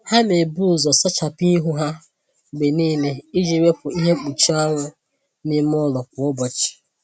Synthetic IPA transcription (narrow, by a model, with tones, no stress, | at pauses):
ha˦me˨bu˦˨zɔ˨sɔ˦t͡ʃa˨pi˦i˦ɦu˦ɦa˦˨ | ɡ͡be˨niː˦ne˨i˦d͡ʒi˨ɾe˦pʊ˨i˦ɦe˦k͡pu˨t͡ʃi˦ɔ˦ŋʷʊ˦ | ni˦m˦ʊ˦lɔ˨k̚ʷʊ˨ʊ˦bɔ˨t͡ʃɪ̥˨